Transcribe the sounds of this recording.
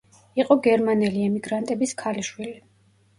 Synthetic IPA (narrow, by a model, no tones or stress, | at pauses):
iqʼɔɡɛɾmanɛliɛmiɡɾant̪ʼɛbiskʰaliʃwili